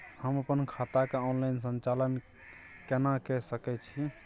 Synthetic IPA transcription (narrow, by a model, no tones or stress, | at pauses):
həməpənkʰat̪akeɔnlajnsə̃nt͡ʃalən | kɛnakɛsəkɛt͡ʃʰi